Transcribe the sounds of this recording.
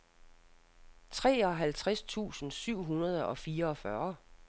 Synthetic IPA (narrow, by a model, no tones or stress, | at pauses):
t͡sʰʁɛ̰ːɒ̽ɦælt͡sʰʁast͡sʰṵːsn̩syʊ̰ɦunɐð̞ˠəɒ̽fiːɐɒ̽fɶɐ